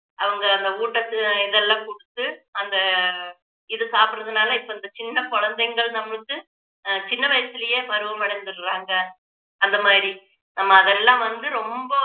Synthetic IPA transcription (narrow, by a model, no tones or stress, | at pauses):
ɐʋɐŋɡɐːnd̪ɐuːʈːɐt̪ːɯɪðɛlːãːkʊɽɯt̪ːɯɐnd̪ɐ | ɪðɯsaːpɯɾɐðɯnaːlɐɪpːoːɪnd̪ɐt͡ʃɪnːɐkɔɻɐnd̪ɐɪŋɡɐɭnɐmːɐɭɯkːɯ | t͡ʃɪnːɐʋɐjɐsɪlɐjeːpɐɾɯʋɐmɐɽɐnd̪ɯɾɾaːŋɡɐ | ɐnd̪ɐmaːðɾi | nɐmːɐːðɛlːãːʋɐnd̪ɯɾɔmbɐ